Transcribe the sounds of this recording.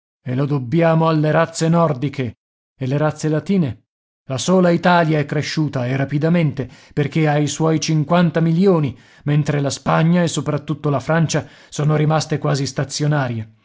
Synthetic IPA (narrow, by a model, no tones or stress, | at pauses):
elod̪obːjaːmoalːeɾat̪sːenɔrd̪ikʰe | eleɾat̪sːelat̪iːne | lasoːlait̪aːljaɛkːɾeʃːuːt̪aerapid̪ament̪eperk̟eaiswɔjt͡ʃiŋkwant̪amiljoːni | ment̪ɾelaspaɲːaesːopɾat̪ːut̪ːolafɾant͡ʃa | soːnoɾimast̪ekwaːzist̪at̪sːjonaːɾje